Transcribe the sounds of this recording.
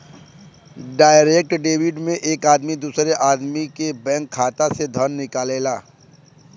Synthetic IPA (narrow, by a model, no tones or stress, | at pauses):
ɖaːɪɾeːk̚ʈɖeːwɪɖmẽʔeːkaːd̪mid̪uːsɾeʔaːd̪mikebɛ̃ːŋkʰːaːt̪ased̪ʱənːɪkaːleːlaː